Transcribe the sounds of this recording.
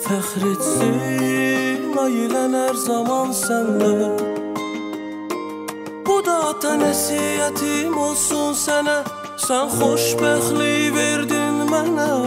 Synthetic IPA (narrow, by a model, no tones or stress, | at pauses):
fæχɾit̪si | pɡɑjilænæɾzɑmɑnsænd̪æ | b̥ud̪ɑd̪ɑnæsiæt̪ʰimolˠsunsænæ | sænχoʃbæxliveɾd̪inmænæ